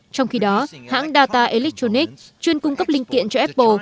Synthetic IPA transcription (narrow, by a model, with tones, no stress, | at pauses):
t͡ɕɔ˧wŋ͡mxi˧ɗɔ˨˦ha̰ː˧˥ŋɗaː˧t̪aː˧ʔe˧li˦˥k̚t̪o˧ni˦˥k̚t͡ɕwi˧ənkʊ˧ŋ͡mkə˦˥p̚lï˧ŋ̟kḭ˧˨ənt͡ɕɔ˧ʔɛ˦˥p̚ːo˧